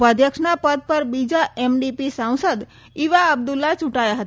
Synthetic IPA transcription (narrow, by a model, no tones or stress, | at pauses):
pəd̪ʱjəkʂnapəd̪̚pəɾbid͡ʒaemɖipisãw̃səd̪ | iʋaəb̚d̪ulːat͡ʃũʈajaɦət̪